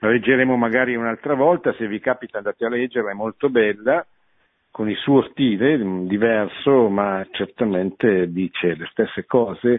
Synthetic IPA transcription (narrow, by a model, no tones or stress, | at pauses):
laled͡ʒːeɾeːmomaɡaːɾiunalt̪ɾavɔlt̪asevikaːpit̪and̪aːt̪ealɛd͡ʒːerlaɛmːolt̪obɛlːa | konilsuːost̪iːled̪ivɛrsomat͡ʃert̪ament̪ed̪iːt͡ʃelest̪esːekɔːze